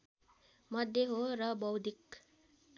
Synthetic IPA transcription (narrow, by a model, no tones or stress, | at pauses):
mʌd̪ʱjeɦoɾʌbʌwd̪ʱik